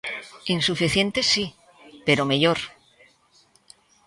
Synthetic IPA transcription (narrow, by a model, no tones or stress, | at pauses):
insufiθje̞nt̪esːi | pe̞ɾomeʎoɾ